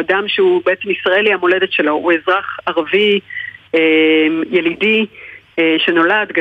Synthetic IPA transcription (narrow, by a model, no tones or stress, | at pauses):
adamʃeubee̞t͡se̞misʁae̞lihamo̞le̞de̞tʃe̞lo̞ue̞zʁaχaʁvi | emje̞lidieʃe̞no̞lad̪ɡ